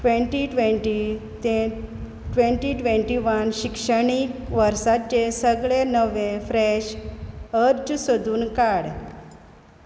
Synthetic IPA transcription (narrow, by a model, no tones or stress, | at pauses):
ʈʋeɳʈiʈʋeʈi | e | ʈʋẽɳʈiʈʋeɳʈiʋənɕikʂəɳikʋəɾsat̪̚t͡ɕesəɡɭenəʋẽfɾeɕ | əɾd͡ʑsəd̪ʱuːnkaɽ